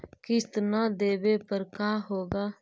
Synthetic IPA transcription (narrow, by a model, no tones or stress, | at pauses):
kɪst̪ənad̪eːʋeːpəɾkaːɦoːɡaː